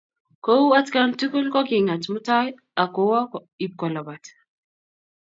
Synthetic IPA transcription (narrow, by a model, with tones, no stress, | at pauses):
kowa˦tkantu˦ku˦lkɔ˦ki˨ŋa˨tmu˦taj | a˨kowa˦kɔ | i˨p̚kɔ˨lɔ˨bat